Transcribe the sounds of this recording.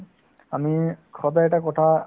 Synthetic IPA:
amikʰɔdaɛtakɔtʰa

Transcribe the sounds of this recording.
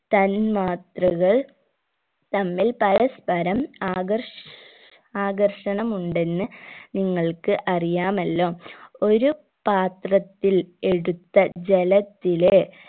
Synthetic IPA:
t̪ɐnmaːt̪rɐɣɐɭ | t̪ɐmːilpɐɾɐspɐɾɐmːɐr | aːɡɐrʂɐɳɐmuɳɖe̞nːɨniŋːɐɭkɨʔɐrijaːmɐlːo̞ːo̞ɾu | paːt̪rɐt̪ːile̞ɽut̪ːɐd͡ʑelɐt̪ːile

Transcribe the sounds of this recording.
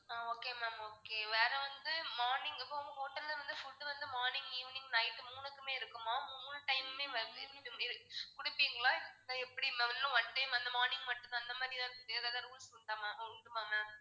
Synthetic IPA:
aːoːkeːmaːmoːkeːʋeːɾɛʋɐnd̪ɯmaːɾnɪ̃ŋɡɪpːoːɔŋɡɐɦoːʈːɐllɐʋɐnd̪ɯfʊʈːɯʋɐnd̪ɯmaːɾnɪŋɡiːʋɪnɪŋɡnɐɪʈːɯmuːnɯkːɯmeːɪɾɯkːɯmaːmuːnɯʈɐɪmmeːʋɪ̰ɯɪɾkʊɽɪpːiːŋɡɐɭãːɪðɯnãɛpːɐɽimɐnlɐ̃ʋɐɳʈɐɪmɐnd̪ɐmaːɾnɪ̃ŋɡmɐʈːɯ̃nãɐnd̪ɐmaːd̪ɾit̪ãːd̪eːðaːðɐːɾuːlsɪɳʈːaːmaːnɐʊɳɖɯmaːmaːm

